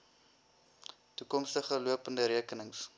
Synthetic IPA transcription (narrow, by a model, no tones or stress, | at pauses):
tukɔmstəχəluəpəndəɾiəkənəŋs